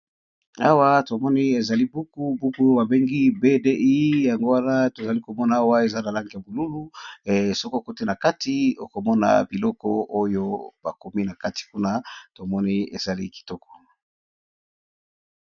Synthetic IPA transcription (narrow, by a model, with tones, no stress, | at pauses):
a̰˦wa˦to˨mɔ˦ni˦e˨za˨li˦bu˦ku˦bu˦ku˦ba˨be˦ŋɡi˦be˦de˦ʔi˦ja˨ŋɡo˦wa˦na˦to˨za˨li˦ko˨mɔ˦na˨a˦wa˦e˨za˦na˨la˦ŋɡi˨ja˨bo˨lu˦lu˦˨so˦ko˦a˨ko˦te˦na˨ka˦ti˦o˨ko˨mɔ˦na̰˨bi˨lɔ˦kɔ̰˦o˦jo˦ba˨ko˨mi˦na˨ka˦ti̥˨ku˦na˦to˨mɔ˦ni˦ḛ˨za˨li˦ki̥˨tɔ˦kɔ̥˨